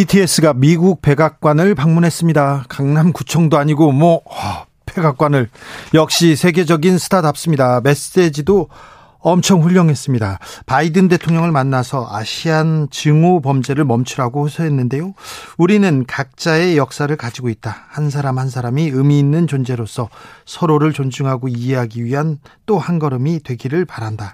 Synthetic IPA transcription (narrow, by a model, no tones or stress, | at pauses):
itʰie̞s͈ɯɡamiɡuk̚p͈e̞ɡak̚k͈wanɯɭpaŋmunɦe̞s͈ɯmɲidakaŋnamkut͡ɕʰʌŋdoaɲiɡomwʌʌ | pe̞ɡak̚k͈wanɯɭjʌk̚ɕ͈isʰe̞ɡe̞d͡ʑʌɡinsʰɯ̥tʰadap̚s͈ɯmɲidame̞s͈e̞d͡ʑido | ʌmt͡ɕʰʌŋɸuʎːʌŋɦe̞s͈ɯmɲidapaidɯnde̞tʰoŋɲʌŋɯɭmanːasʰʌʔaɕʰiant͡ɕɯŋopʌmd͡ʑe̞ɾɯɭmʌmt͡ɕʰuɾaɡohosʰʌɦenːɯnde̞jouɾinɯnkak̚t͡ɕ͈ae̞jʌk̚s͈aɾɯɭkad͡ʑiɡoit̚t͈ahans̬ʰaɾamhans̬ʰaɾamiɯmiːnːɯnt͡ɕond͡ʑe̞ɾosʰʌsʰʌɾoɾɯɭt͡ɕond͡ʑuŋɦaɡoie̞ɦaɡiɥiɦant͈ohanɡʌɾʌmidwe̞ɡiɾɯɭpaɾanda